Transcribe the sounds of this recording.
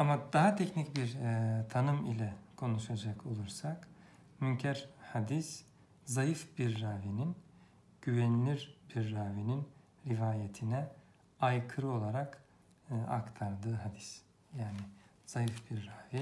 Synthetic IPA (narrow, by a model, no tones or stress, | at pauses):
amad̪aɦat̪ʰɛcnicbiɾt̪ʰanɯmilʲɛkʰo̞nuʃad͡ʒakʰo̞lˠuɾsak | myncʰæɾhad̪is | zajɯfbiɾːaːvinin | ɟ̥yvɛnlʲiɾbiɾːaːvinin | ɾivaːjet̪ʰinɛ | ajkʰɯɾɯo̞lˠaɾak | a̰kt̪ʰaɾd̪ɯːɦad̪is | jaːni | z̥ajɯfbiɾːaːvi